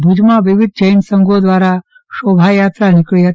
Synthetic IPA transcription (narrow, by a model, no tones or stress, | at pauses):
bʱud͡ʒmaʋiʋid̪̚ʱd͡ʒəjnsɐŋɡʱod̪ʋaːɾa | ʃoːbʱaːjaːt̪ɾanikɭijɐt